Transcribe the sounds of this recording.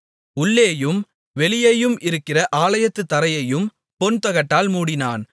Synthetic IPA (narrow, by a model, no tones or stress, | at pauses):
ʊɭːeːjɯm | ʋɛlɪjɐjɯmɪɾɯkːɪrɐʔaːlɐjɐt̪ːɯt̪ːɐɾɐjɐjɯm | pɔnt̪ɐɣɐʈːaːlmuːɽɪnaːn